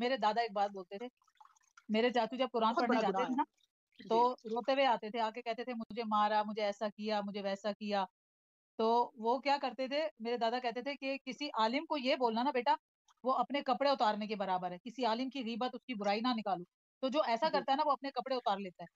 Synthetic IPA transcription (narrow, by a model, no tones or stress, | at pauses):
meːɾed̪aːd̪aeːk̚baːt̪̚boːlt̪et̪ʰeː | meːɾet͡ʃaːt͡ʃud͡ʒɐb̚kʊɾaːnpɐɽned͡ʒaːt̪et̪ʰena | t̪oːɾoːt̪eʋeaːt̪et̪ʰeaːkekɛɦt̪et̪ʰemʊd͡ʒʱemaːɾamʊd͡ʒʱeɛːsakijamʊd͡ʒʱeʋɛːsakijaː | t̪oːʋokjaːkɐɾt̪et̪ʰemeːɾed̪aːd̪akɛɦt̪et̪ʰekekɪsiʔaːlɪmkojeboːlnanabeːʈa | ʋoɐpnekɐpɽeʊt̪aːɾnek̬ebɐɾaːbəɾɦɛːkɪsiaːlɪmkiɣiːbət̪ʊskibʊɾaːinanɪkaːlũ | t̪od͡ʒoːɛːsakɐɾt̪aɦɛnaʋoɐp̚nekɐpɽeʊt̪aːɾleːt̪aɦɛː